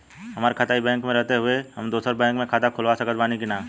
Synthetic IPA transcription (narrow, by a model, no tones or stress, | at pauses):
ɦɐmaːɾekʰat̪aːibɛ̃ːŋkmẽɾɛɦt̪eɦʊehɐmd̪oːsəɾbɛ̃ːŋkmẽkʰaːt̪akʰʊlʋasɐkət̪baːnikinaː